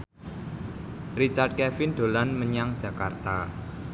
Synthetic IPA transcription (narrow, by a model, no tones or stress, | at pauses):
rit͡ʃard̚kɛfɪnɖ̪̥o̤lanməɲaŋd̥d͡ʒ̥ä̤kart̪a